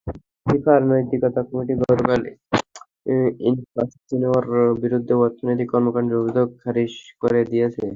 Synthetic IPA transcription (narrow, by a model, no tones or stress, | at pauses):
kipʰaɾnojt̪ikɔt̪akɔmiʈiɡɔɾobel | infasʈt͡ɕinoaɾbiɾud̪ʱːeɔɾt̪ʰonot̪ikɔɾmokaɳɖeubid͡ʑoɡ̚kʰaɾiʃkoɾed̪ijet͡ɕʰe